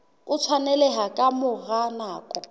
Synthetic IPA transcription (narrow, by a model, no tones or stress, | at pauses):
ʊt͡sʰwanɛlɛɦakʼamʊɣanaːkʼɔ